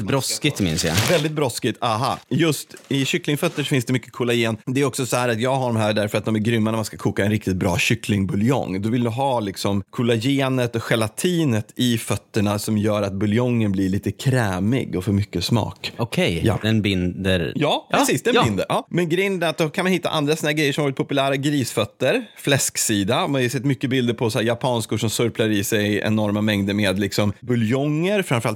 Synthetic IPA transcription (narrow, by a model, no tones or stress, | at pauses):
bɾɔskɪt̪mɪ̰nsja̰vɛld̪ɪt̪̚bɾɔskɪt̪aɦajɵst̪ɪɕʏklɪŋfœt̪ːəʂɔfɪnsd̪ɛmʏkːə̥kʰuːlajeːnd̪ɛːɾɔksɔsɔhæːɾat̪jɑːɡɦaɖɔmɦæːɖæɾfœɾat̪̚d̪ɔmæɾɡɾʏmːanæmanskakʰuːkaɛnɾɪk̚t̪ɪt̪̚bɾɑ̰ːɕʏklɪŋbɵljɔ̰ŋd̪ɔvɪld̪ɵɦɑːlɪksɔmkʰuːlajeːnət̪ɔɧɛlat̪ʰiːnət̪ʰɪfœt̪ːəɳasɔmjœːɾat̪̚bɵljɔŋːənblɪɭiːt̪əkʰɾɛːmɪ̰ɡɔfœɾmʏkːəsmɑ̰ːkɔkʰɛjja̰d̪ɛnbɪnd̪əɾjɑːpɾɛsiːsd̪ɛnbɪnd̪əɾʔɑːmɛnɡɾɛjənd̪ɾat̪̚d̪ɔkʰanmanhɪt̪ːa̰ʔa̰nd̪ɾasɔnhæːɾɡɾɛjːəʂɔmavɔɾɪt̪pʰɔpʉlæːɾaɡɾiːsfœt̪ːəɾflɛsksiːd̪aɔmanɪsɛt̪ːmʏkːəbɪld̪əɾpʰɔsɔhæːɾjapʰɑːnskʊʂɔmsɵɾpʰlaɾɪsɛjʔɛ̰nɔɾmamɛŋd̪əmeːd̪lɪksɔmbɵljɔŋːəɾfɾãmfœɾal